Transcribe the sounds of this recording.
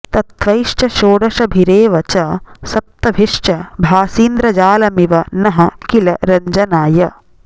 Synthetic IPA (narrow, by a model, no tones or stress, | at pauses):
t̪ɐt̪ʋɐjʂt͡ʃɐʃoːɽɐʃɐbʱiɾeːʋɐt͡ʃɐsɐt̪ːɐbʱiʂt͡ʃɐbʱaːsiːnd̪ɾɐd͡ʒaːlɐmiʋɐnɐɦɐkilɐɾɐɲd͡ʒɐnaːjɐ